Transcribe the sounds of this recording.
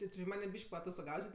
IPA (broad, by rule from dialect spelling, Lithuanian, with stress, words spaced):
tʲɪ ˈt͡ʃʲɪ ˈmɑːnʲeː ˈbʲiːʃʲkʲ pɐɐtoːstoːˈɡɐʊsʲɛtʲ